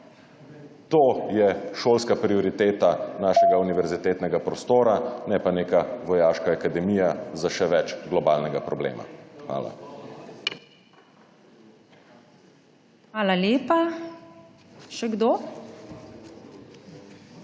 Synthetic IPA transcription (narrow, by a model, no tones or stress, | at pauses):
t̪oːjɛʃoːlskapɾioɾit̪eːt̪anaːʃɛɡauniʋɛɾzit̪eːt̪nɛɡapɾɔst̪oːɾanɛpanekaʋɔjaːʃkaakad̪ɛmijazaʃɛʋɛt͡ʃɡlɔbaːlnɛɡapɾɔblḛːma̰xʋa̰ːla̰ | xʋaːlaleːpa | ʃɛɡd̪oː